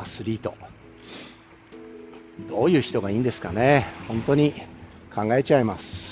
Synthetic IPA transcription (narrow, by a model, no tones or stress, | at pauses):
sɨɾʲiːt̪o̞̰ | d̪o̞ːjɯ̟ːçi̥t̪o̞ɡaiːnd̪e̞sɨ̥kanehõnt̪o̞ɲ̟i | kʰãŋɡae̞t͡ɕaimasɨ̥